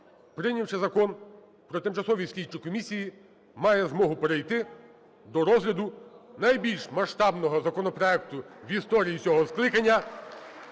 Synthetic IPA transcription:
pɾɪnʲiwt͡ʃɛzɐkɔn | pɾɔt̪ɪmt͡ʃɐsɔʋʲiwsʲlʲit͡ʃɪkɔmʲisʲiji | mɑjɛzmɔɦʊpeɾejt̪ɪ | d̪ɔɾɔzɦlʲɐd̪ʊnɐjbʲilʲʃmɐʃt̪ɑbnɔɦɔzɐkɔnɔpɾɔɛkt̪ʊʋʲist̪ɔɾʲijit͡sʲɔɦɔsklˠɪkɐnʲːɐ

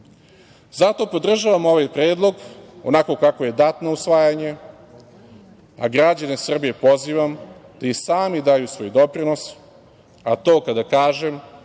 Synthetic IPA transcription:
zat̪o̞po̞d̪r̩ʒaʋamo̞ʋajpɾeːd̪lˠo̞ɡo̞̰nako̞kakoje̞d̪at̪nousʋaːjaɲe | a̰ɡɾad͡ʑanesr̩bije̞po̞ziʋamd̪̥aisaːmid̪ajusvʋo̞ːjd̪o̞pɾino̞s | at̪o̞ːkad̪akaːʒem

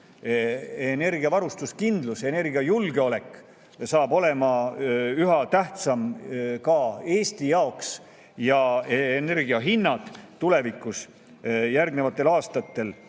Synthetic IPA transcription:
ene̞rɡiɑvɑɾust̪uskind̪luse̞ne̞rɡiɑjulɡeo̞le̞kː | sɑːbo̞le̞mɑyɦɑt̪æht̪sɑmkɑe̞ːst̪ijɑoks | jɑene̞rɡiɑɦinːɑd̪̥t̪ːule̞vikːˑus | jærɡnevɑt̪ˑːe̞lɑːst̪ɑt̪ːe̞l

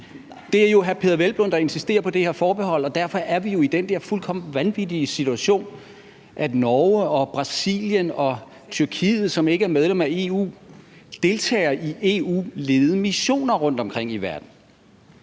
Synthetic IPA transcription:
d̥e̝æɐjo̝ɦæɐpʰe̝ðˠɐʋelb̥lɔnd̥ɐe̝nsisd̥e̝̰ːɐpʰɒ̽d̥e̝he̝ɐfɒːb̥e̝ɦɒ̽l̰ɒ̽d̥æɐfɒ̽ʔæɐʋijo̝id̥end̥eɐfulkʰɒ̽m̰d̥ʋænʋid̥iəsit͡sʰuæɕo̝̰ːn | ʔæd̥nɒːəɒ̽b̥ʁɑ̈sḭːljənɒ̽ | t͡sʰyɐkʰḭːð̞̩ˠsɒ̽me̝ɡ̥əæɐmeðˠd̥emæe̝ṵːd̥e̝lt͡sʰɛ̰ːɐʔiʔe̝ːṵːle̝ːð̩ˠəmiɕo̝̰ːnɐʁɔ̽n̰d̥ɒ̽mkʰʁeŋ̰iʋæɐd̥n̩

